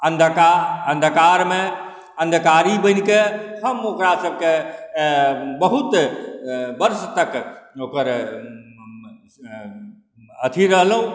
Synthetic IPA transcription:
ənd̪ʱkaənd̪ʱkaːɾmẽ | ə̃nd̪ʱkaːɾibə̃nkehəmoːkɾasəb̚ʱke | bəɦut̪ | bəɾst̪əkoːkəɾ | ət̪ʰiɾəɦlɦũ

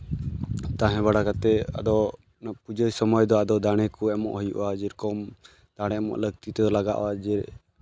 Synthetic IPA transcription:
t̪ãɦɛ̃βaɽakat̪ɛa̰d̪ɔ | pud͡ʒəjsɔmɔjd̪ɔad̪ɔd̪aɽ̃ɛkuɛmɔ̰ʔhɔjṵʔwad͡ʒiɾkɔm | d̪̥aɽ̃ɛamɔ̰ʔləɡt̪it̪ɛd̪ɔlaɡa̰ʔwad͡ʒiɾ

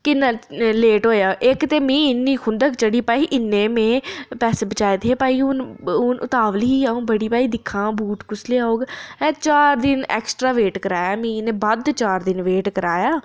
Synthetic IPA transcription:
kɪnːaleːʈɦoːjaːʔɪkt̪eːmĩːɪnːĩːkʰʊnd̪əkt͡ʃəɽiːpaːiːʔɪnːẽːmẽːpɛːseːbət͡ʃaːeːd̪eːpaːiːʊnʊnʔʊt̪aːʋəlɦiːaːũːbəɽiːpaːiːd̪ɪkʰːãːbuːʈkʊsleaːoːɡɛ̃ːt͡ʃaːɾd̪ɪnɛ̰ːksʈɾaːʋeːʈkəɾaːjaːmĩːnẽːbad̪t͡ʃaːɾd̪ɪnʋeːʈkəɾaːjaː

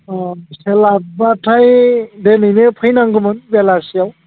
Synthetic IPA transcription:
selabatʰajdenɯjnepʰɯjnaŋɡɯmɯnbɛlasijaw

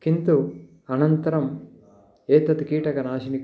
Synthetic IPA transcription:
kint̪u | ɐnɐnt̪ɐɾɐm | eːt̪ɐt̪kiːʈɐkɐnaːʃinik

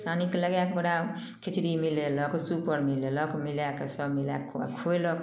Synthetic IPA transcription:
sanikeləɡjakebəɽa | kʰit͡ʃɾimilelɔksupəɾmilelɔkmiljakesʌbmila̰kʰojlɔk

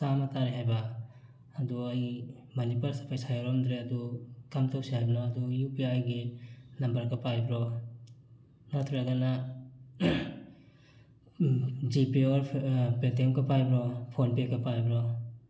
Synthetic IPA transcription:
samataɾiɦajbaː | duɐj | manipaɾsapʰajsajaɾɔmd̪ɾeɐdukamtʰawsihajbnaːdujupiajɡinɐmbɐɾkapajbɾɔ | natʰɾiɾaɡana | d͡ʒipiɔɾpet̬emkapʰajbɾɔpʰonpekapajbɾɔ

